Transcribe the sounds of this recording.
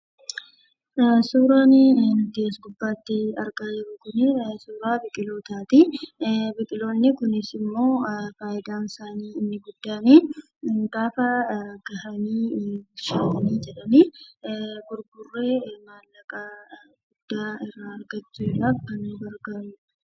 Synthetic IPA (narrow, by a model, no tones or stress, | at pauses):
suːɾaːnɪnʊt̪ɪɐsɡʊbːaːt̪ːɪɐɾɡaːd͡ʒɪɾʊkʊnɪsuːɾaːbɪkʼɪloːt̪aːt̪i | bɪkʼɪlo̞ːnːɪkʊnɪsɪmːo̞ːfaːjɪd̪aːnsaːniːɪnːɪɡʊd̪ːaːniː | ɡaːfɐɡ̥ɐhɐniːɡʊʃaːt̪ɐniːd͡ʒɛᶑɐniː | ɡʊɾɡʊrːeːmaːlːɐkʼɐ | ɡ̥ʊd̪̥ːaːɪrːaːɐɾɡɐt͡ʃːuːɪrafkɐnuːbɐɾɡaːnʊɐ̥